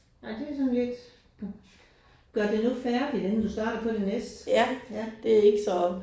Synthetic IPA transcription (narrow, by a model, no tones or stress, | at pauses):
jæd̥e̝sɒ̽nieɡ̥ | ɡ̥ɶɐ̰d̥e̝nufæɐd̥idenn̩d̥usd̥ɑ̈ːɾ̥ɐpʰɒ̽d̥e̝nesd̥jæd̥e̝æe̝ɡ̥əsɒ̽